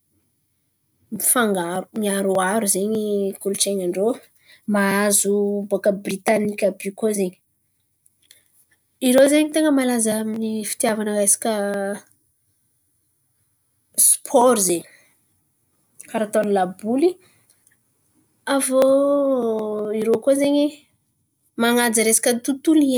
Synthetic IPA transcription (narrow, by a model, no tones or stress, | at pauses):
mifaŋɡaɾuŋiaɾuaɾuzeɲikulut͡ʃeɲaɳɖ͡ʐo | maazubokəbrit̪anikʲabikozeɲi̥ | iɾozeɲit̪eŋəmalazaaminifi̥t̪javanəkajsi̥kʲə | spʰɔɾizeɲi̥ | kaɾat̪onlabuli | avo | iɾokozeɲi | maŋad͡zəɾesḁkʲət̪ut̪ulie